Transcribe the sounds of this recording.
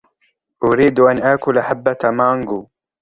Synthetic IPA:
ʔʊɾiːd̪ʔanʔaːkʊlʔaħabːamaŋɡuː

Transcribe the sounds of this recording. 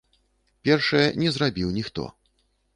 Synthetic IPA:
pʲɛrʂɐjɛnʲɛzrabʲiwnʲixt̪ɔ̰

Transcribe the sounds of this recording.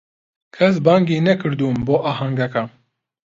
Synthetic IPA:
kʰɐs̬baːŋɡiːnɛkʰɨɾd̪uːmboːʔaːɦaŋɡɐka

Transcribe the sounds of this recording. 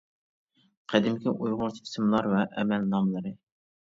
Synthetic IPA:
qʰæd̪ɪmkʲʰɪʔujʁʊɾt̪ʰi̥sɪmlˠɑɾvɛʔɛ̰mɛlːɑmlˠɨɾɨ

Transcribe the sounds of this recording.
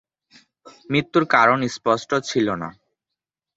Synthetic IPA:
mɾit̪ːuɾkaɾonispɔsʈot͡ɕʰilona̰

